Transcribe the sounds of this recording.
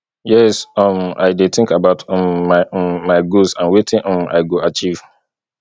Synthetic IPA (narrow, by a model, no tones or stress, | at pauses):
jɛsɔma̰ɪdet̪ɪ̃ŋkabaʊtmːamːaɪɡosãnwetʰɪ̃ʔɔ̃ma̰ɪɡoat͡ʃiv̥